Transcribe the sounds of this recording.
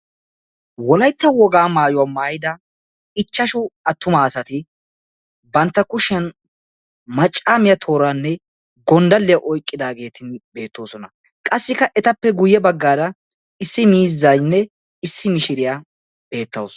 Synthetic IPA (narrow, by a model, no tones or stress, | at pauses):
wɔlɐjt̪ːɐwɔɡaːmaːjʊwaːmaːjɪd̪ɐ | ɪt͡ʃːɐʃʊɐt̪ːʊmaːsɐt̪ɪ | bɐnt̪ːɐkʊʃɛn | mɐt͡ʃʼːaːmɪjɐt̪ʰo̞ːɾanːɛ | ɡɔnd̪ɐlːɪjɐʔɔjkʼːɪd̪aːɡe̞ːt̪ʰɪnbe̞ːt̪ːo̞ːsɔnɐ | kʼɐsːɪkːɐʔɛt̪ɐpːɛɡʊjːɛbɐɡːaːd̪ɐ | ɪsːɪmiːzːɐjnːɛ | ɪsːɪmɪʃɪɾɪja | b̥e̞ːt̪ːɐws